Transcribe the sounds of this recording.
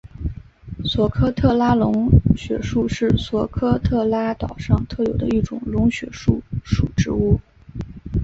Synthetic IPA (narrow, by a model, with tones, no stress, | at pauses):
swɔ˧˥kʰɤ˥t̪ʰɤ˥˩la˥lʊ˧˥ŋɕɥɛ̰˧˩ʂu˥˧ʂɻ̩˥˩swɔ˧˥kʰɤ˥t̪ʰɤ˥˩la˥t̪ɑ˨˩ʊʂɑ˥˧ŋt̪ʰɤ˥˩jo˨˩ʊd̪ə̰˦i˥˩ʈ͡ʂʊ̰˨˩ŋlʊ˧˥ŋɕɥɛ˨˧˩ʂu˥˩ʂu˨˩ʈ͡ʂɻ̩˧˥u˥˩